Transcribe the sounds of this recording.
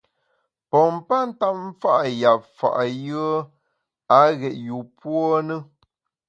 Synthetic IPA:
pɔ˨m̩˦pa˦n̩˦ta˦p̚m̩˦fa˦ʔja˨p̚fa̰˨ʔjɯ˦ə˦ | a˨˦ɣɛ˨ʔ̚ju˨pwɔ˦nə˦

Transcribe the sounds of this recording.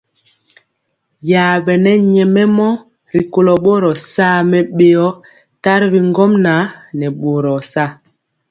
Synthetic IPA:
jaː˨ɓɛ˨nɛ˦ɲɛ˨mɛ˦mɔ˦ | ɾi˨ko˨lɔ˨ɓo˦ɾɔ˨sa˦˨mɛ˦ɓe˨ɔ˦ | ta˦ɾbi˨ŋɡɔ˦mna˨˦nɛ˨ɓo˨ɾɔ˨sa˦˨

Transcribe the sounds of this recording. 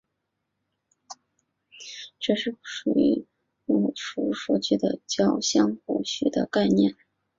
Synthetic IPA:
ʈ͡ʂɤ˥˧ʂɻ̩˥˩ʂu˨˩y̰˧˥ | u˥˩ʂu˥ʂu˥˩t͡ɕy˥˩d̪ə˩t͡ɕjɑ˥˩ʊɕjɑ˥ŋxu˨˩ɕy˥˩d̪ə̰˧ka˥˧ɪnjɛ˥˩n

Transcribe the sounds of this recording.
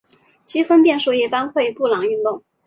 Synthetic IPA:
t͡ɕi˥fə˥npjɛ˥˧nʂu˥˧i˥˩t̪a˥nxwe˥˧ɪpu˥˩lɑ˨˧˥ŋy˥˧nt̪ʊ˥˩ŋ

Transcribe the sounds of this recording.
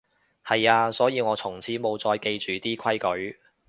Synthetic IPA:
hɐ˨jaː˧sɔː˨˥jiː˨˧ŋɔː˨˧t͡sʰʊ˨˩ŋt͡sʰiː˨˥mo˨˧wt͡sɔː˧jke˧jt͡ʃyː˨t̪iː˥kʰɐ˥jkɵ˨˥ɥ

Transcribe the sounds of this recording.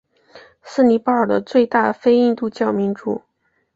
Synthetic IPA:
sɹ̩˥˩ni˧˥pa˥˩ə˞˨˩d̪ə̰˨˩t͡swe˥˧ɪt̪a˥˧fe˥ɪi˥˧nt̪u˥˧t͡ɕjɑ˥˩ʊmi˧˥nʈ͡ʂṵ˨˩˦

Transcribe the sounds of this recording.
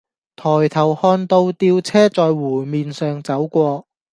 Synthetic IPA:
t̪ʰɔː˨˩jt̪ʰɐ˨˩whɔː˧nt̪o˧wt̪iː˧wt͡sʰɛː˥t͡sɔː˨˧jwuː˨˩miː˨nsœː˨˧ŋt͡sɐ˨˥wkʷɔː˧k̚

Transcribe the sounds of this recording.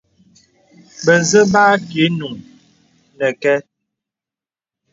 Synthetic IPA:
bə˨zə˦baː˦ke˨˦nu˨ŋ | nə˨kɛ˦

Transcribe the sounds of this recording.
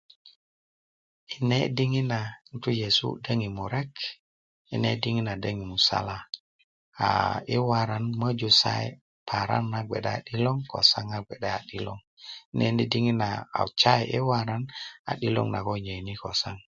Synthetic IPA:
i˨ne˦di˦ŋi˦na˨n˦tu˦je˨sṵ˦də˦ŋi˨mu˨ɾe˦k | i˨nḛ˦di˦ŋi˦na˨də˦ŋi˨mu˨sa̰˦la˦ | a̰˨i˦wa˨ɾa˦nmə˦d͡ʒu˨sa̰˦ḛ˦ | pʰa˨ɾa̰˦nːa˨ɡʷe˨ɗa˦˨ɗi˦lo˦ŋko̰˨sa˦ŋa˨ɡe˨ɗa˦a˨ɗi˦lo̰˦ŋ | i˦ne˦ndi˦di˦ŋi˦na˨a̰˨t͡ʃa˦jʔḛ˦wa˦ɾa˦na̰˨ɗi˦lo̰˦ŋna̰˨ko˦˨ɲə˨ni˦ko˨sa˦ŋ

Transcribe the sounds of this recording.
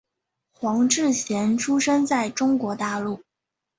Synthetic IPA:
xwɑ˧˥ŋʈ͡ʂɻ̩˥˩ɕjɛ˧˥nʈ͡ʂʰu˥ʂɤ˥ŋt͡sa˥˩ɪʈ͡ʂʊ˥ŋkwɔ˧˥t̪a˥˧lu˥˩

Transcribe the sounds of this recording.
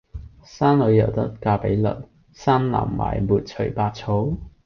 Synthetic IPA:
saː˥nlɵ˨˧ɥjɐ˨˩wt̪ɐ˥t̚kaː˧pe˨˥jlɵ̰˨t̚ | saː˥nla̰˨˩mːa̰ː˨˩jmuː˨t̚t͡ʃʰɵ˨˩jpaː˧t̚t͡sʰo˨˥w

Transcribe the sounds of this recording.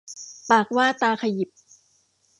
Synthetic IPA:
paː˨˩k̚waː˥˩t̪aː˧kʰa˧ji˨˩p̚

